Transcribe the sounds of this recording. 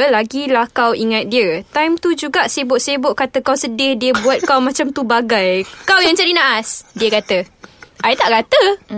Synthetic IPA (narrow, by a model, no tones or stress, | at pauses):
laɡilahkawiŋat̪̚diət̪ajmt̪ud͡ʒuɡaʔsebʊʔsebʊʔkat̪əkawsədɪhdiəbuat̪̚kawmãt͡ʃamt̪ubaɡajkawjaŋt͡ʃaɾinaʔasdiəkat̪əʔajt̪aʔkat̪ə